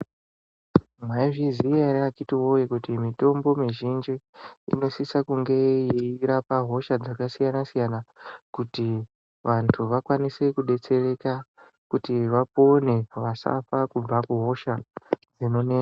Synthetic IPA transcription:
mwaiviziarakitiwojekutimito̞mbo̞miʒind͡ʒiḭno̞sisakuŋɡe̞jiiɾapaɦo̞ʃad͡zakasijanasijanakuti | ʋantʰuʋakwanise̞kuɗe̞t͡se̞re̞ka | kutiʋapo̞ne̞ʋasa̰fakub͡vakuɦo̞ʃad͡zino̞neːa

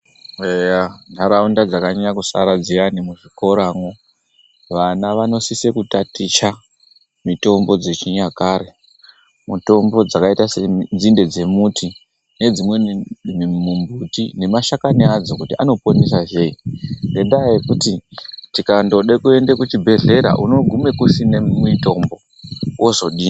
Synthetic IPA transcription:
ejandʱaɾaundad͡zakaɲaɲakusa̰ɾad͡zijanimuʐiko̞ɾaːŋo | ʋanaʋano̞sise̞kutatit͡ʃa | mito̞mbo̞d͡ze̞t͡ʃiɲakaɾe̞ | muto̞mbo̞d͡zakaitasend͡zinde̞d͡ze̞mutʰi | ne̞d͡zimwemmumbutine̞maʃakaniad͡zokutiʔano̞ponisaʒe̞inde̞ndajekutitikando̞ɗe̞kue̞nde̞kut͡ʃibʱe̞ɮe̞ɾa̰ʔuno̞ɡʱume̞kusinemito̞mbo̞ | wozo̞ɗiːn

